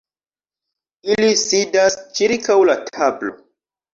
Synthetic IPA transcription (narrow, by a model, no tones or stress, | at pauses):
ilisidast͡ʃiɾkawlatʰablo̞̰